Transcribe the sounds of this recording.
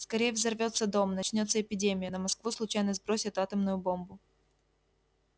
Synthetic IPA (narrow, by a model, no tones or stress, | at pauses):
skɐɾʲejəvzɐrvʲo̞t̪sːəd̪o̞mnɐt͡ɕnʲo̞t̪səɪpʲɪdʲemʲɪjənəmɐskvuslˠʊt͡ɕæjnəzbɾo̞sʲɪt̪at̪əmnʊjʊbo̞mbʊ